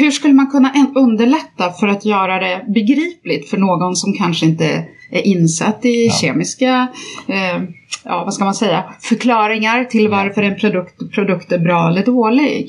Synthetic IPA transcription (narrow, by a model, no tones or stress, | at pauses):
hɵʂkɵlːəmankʰɵnːaʔɛnɵnd̪əɭɛt̪ːafœɾat̪jœːɾad̪ɛbɛɡɾiːplɪt̪fœɳoːɡɔnsɔmkʰanʂəɪnt̪ə̰ | ʔæɾʔɪnːsa̰t̪ːɪɕeːmɪska | jɑ̰ːvaskamansɛjːafœɾkʰlɑːɾɪŋaɾt̪ʰɪlvaɾfœɾɛnpʰɾʊd̪ɵkt̪pʰɾʊd̪ɵkt̪æɾbɾɑːɛlːəɖoːlɪɡ